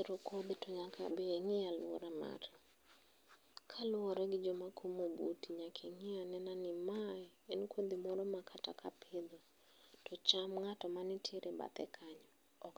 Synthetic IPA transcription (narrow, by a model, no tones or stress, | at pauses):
ɾokod̪ɪtɔɲakʰa̰beŋɪalʊo̰ɾama̰ɾɛ | kʰalʊɔɾɛɡɪd͡ʒomakʰomobṵtiɲakʰeŋɪanɛnanɪmaɛenkʰod̪imɔɾɔmakʰata̰kʰapʰɪd̪ɔ | tɔt͡ʃamŋatɔmanɪtʰeɾʔeba̰t̪ɛ̰kʰaɲɔ | ɔk